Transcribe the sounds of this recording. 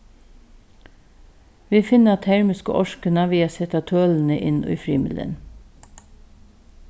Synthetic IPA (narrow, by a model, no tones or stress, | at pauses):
ʋiːfɪnəɑt̪ʰæɹmɪskə̰ʔɔʃkənɑʋiːɑsɛt̪ɑt̪ʰøːln̩əʔɪnʔo̰ḭːfɹiːmɪlə̰n